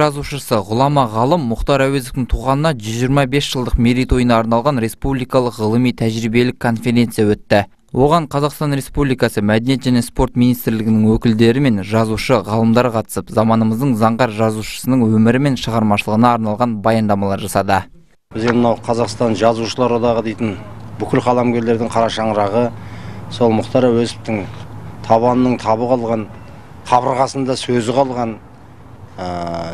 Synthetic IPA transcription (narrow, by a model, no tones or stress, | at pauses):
ʒɑzuʃəsəʁʊlˠɑmɑʁɑlˠəmːʊqt̪ɑɾæwezoft̪ɪŋt̪ʰuʁɑnənɑʒʏzʒijɾmɑbesʒ̥əlˠd̪əqmeɾijt̪ʰo̞jənɑːɾnɑlˠʁɑnɾe̞spublijkɑlˠəqʁəlˠəmijt̪ʰæʒɾijbe̞lɪkʰːo̞nfe̞ɾʲe̞nt̪sijawɵt̪ːɪ | wo̞ʁɑɴqʰɑzɑqst̪ɑnɾe̞spublijkɑsəmæd̪enjeʒæne̞spo̞rt̪mijnijst̪ɪɾlɪɡʲɪnɪŋwɵkʲɪld̪e̞ɾɪme̞nʒɑzuʃəʁɑlˠəmd̪ɑɾqʰɑt̪ə̥səpzɑmɑnəməzd̪əɴzɑɴʁɑɾʒɑzuʃə̥sənəɴwɵmɪɾɪme̞nʃəʁɑɾmɑʃəlˠəʁənɑːɾnɑlˠʁɑnbɑjɑnd̪ɑmɑlˠɑɾʒɑsɑd̪ə | bɪzd̪enmənɑwqʰɑzɑqst̪ɑnʒɑzuʃəlˠɑɾod̪ɑʁəd̪e̞jt̪ɪn | bʏkʲɪlqʰɑlˠɑmɡʲe̞ɾle̞ɾd̪ɪŋqʰɑɾɑʃɑɴɾɑʁəso̞lˠmʊqt̪ɑɾɑwɵsɪ̥p̚t̪ɪŋt̪ʰɑβɑnənəɴt̪ʰɑβəqʰɑlˠʁɑn | qʰɑβəɾʁɑsənd̪ɑsɵzɪqʰɑlˠʁɑn | ə